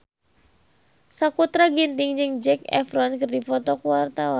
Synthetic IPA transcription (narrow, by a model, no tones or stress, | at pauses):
sakut̪ɾaɡint̪iŋd͡ʒɨŋd͡ʒɛkɛ̰fɾɔnkɨrdifɔt̪ɔkuart̪awan